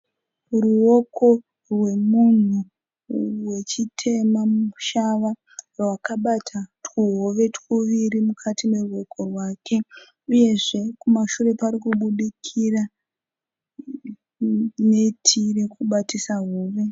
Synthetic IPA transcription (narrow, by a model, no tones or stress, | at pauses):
ruoko̞ | rwe̞mun̤u | we̞t͡ʃitʰe̞mamuʃaʋa | rwakaɓatʰatkuɦo̞ʋe̞tkuʋiɾimukʰatime̞ruo̞kʰo̞rwaːkʰe̞ | uje̞ʐe̞kumaʃure̞paɾikuɓuɗikʰira | ne̞tʰire̞kuɓatisaɦoːʋe̞